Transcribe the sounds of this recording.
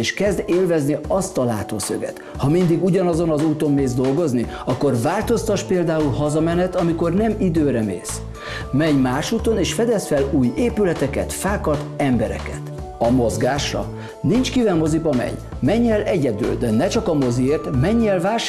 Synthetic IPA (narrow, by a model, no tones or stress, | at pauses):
eːʃkɛzd̪eːlvɛzniɒst̪ɒla̰ːt̪o̰ːsø̰ɡɛ̰t̪ | hɒmind̪iɡuɟɒnɒzo̞nɒzuːt̪o̞mːeːzd̪o̞lɡo̞zni | ɒkːo̞rvaːlt̪o̞st̪ɒʃpeːld̪aːulhɒzɒmɛnɛt̪ɒmiko̞rnɛmid̪øːɾɛmḛːs | mɛɲmaːʃuːt̪o̞neːʃfɛd̪ɛsfɛluːjeːpylɛt̪ɛkɛ̰t̪faːkɒt̪ɛmbɛɾɛ̰kɛt̪ | ɒmozɡaːʃrɒ̰ | nint͡ʃkivɛlmo̞zibɒmɛ̰ɲ | mɛɲːɛlɛɟɛd̪y̰ld̪ɛnɛt͡ʃɒkɒmo̞zieːrt̪mɛɲːɛlvaːʃ